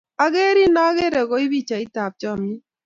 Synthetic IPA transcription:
a˨ɣe˦ɾi˦na˦ɣe˦ɾɛ˨ɣɔ˨i˦bi˦t͡ʃa˨ɪ˦ta˨p̚t͡ʃɔ˦˨mni˦

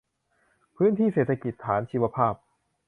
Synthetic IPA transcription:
pʰɯː˥nt̪ʰiː˥˩seː˨˩t̪ʰa˧ki˨˩t̪ʰːaː˩˦nt͡ɕʰiː˧˥wa˧pʰaː˥˩p̚

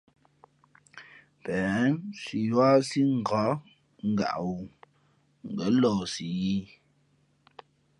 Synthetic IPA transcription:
pɛː˨˦nsi˨jwa˦si˦ŋ̩˨ɡa˨˦ | ŋ̩˦˨ɡa̰˨ʔwu˨ | ŋ̩˨ɡə˨˦lɔː˨si˨ji˦

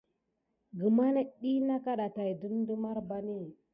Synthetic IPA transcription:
ɡə˨ma˦na˦ɗi˦na˦ka˦ɗa˨ta˨i˨du˦mdə˦ma˦ɾba˨ni˦

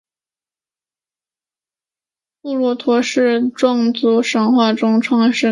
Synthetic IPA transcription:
pu˥˩lwɔ˧˥t̪ʰwɔ˧˥ʂɻ̩˥˧ʈ͡ʂwɑ˥˩ŋt͡su˧˥ʂɤ˧˥ŋxwa˥˩ʈ͡ʂʊ˥ŋʈ͡ʂʰwɑ˥˧ŋʂɻ̩˥˩

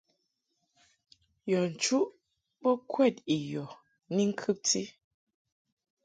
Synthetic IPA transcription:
jɔ˨n̩˨t͡ʃu˦ʔ | bɔ˦kʰwɛ˦˨t̚i˨jɔ˨ | ni˦ŋ̩˦kʰʉ˦p̚ti˦

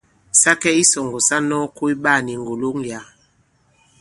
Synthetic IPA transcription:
sa˦kɛ˦i˦sɔ˨ŋɡɔ˨sa˦nɔ˦ko˦i˦ɓa˦˨ni˨ŋɡo˨lo˦ŋja˨˦

